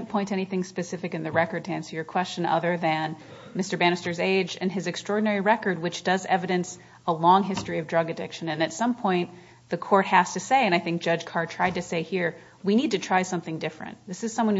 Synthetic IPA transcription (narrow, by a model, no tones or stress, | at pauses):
npʰɔ̃ɪ̃ntɛñiθɪ̃ŋspɨsɪfɨkɨ̃nðɨɹɛkə˞d̚tʰæ̃nsə˞jə˞kʰw̥ɛst͡ʃɨ̃nʌ̰ðə˞ðɨ̃n | mɪstə˞bæñɨstə˞zeɪd͡ʒɨ̰̃nɨzɨkstɹ̥ɔɹdⁿn̩ɛɹiɹɛkə˞d̚wɨt͡ʃd̥ʌzɛ̰vɨɾɨ̃ns | əlɔ̃ŋɦɪstɹ̥iʌvdɹʌɡɨdɪ̰kʃɨ̃nɨ̃nɨtsʌ̃mpʰɔ̃ɪ̃n | ðɨkʰɔɹt̚hæz̥tʰɨseɪɨ̃naɪθɪ̃ŋk̚ʒ̥ʌ̥ʒ̥kʰɑɹd̚tʰɹ̥aɪd̚tɨseɪhiɹ | winid̚tɨtʰɹ̥aɪsʌ̃mθɪ̃ŋdɪfɹɨ̰̃nðɪsɨz̥sʌ̃mwʌ̃n